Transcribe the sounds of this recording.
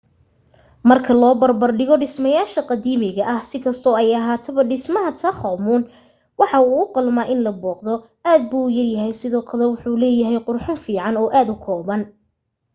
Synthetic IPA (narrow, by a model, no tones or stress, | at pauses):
mɐrkʰɐlɔːbɐrbɐrɖɪɣɔɖɪsmɐjaːʃɐqɑðiːmɪɣɐʔɐhsɪkʰɐst̪ʰɔːɛjɐɦaːt̪ʰɐβɐɖɪsmɐɦɐt̪ʰɐχɐmuːn | wɑħɑuːʊqʊlmaːʔɪnlɐbɔːqðɔ | aːd̪̚buːjɐrjɐɦɛjsɪðɔːkʰɐlɛwʊħulɛːjɐɦɛjqʊrħʊnfiːʕɑnɔːʔaːd̪ʊkʰɔːβɐn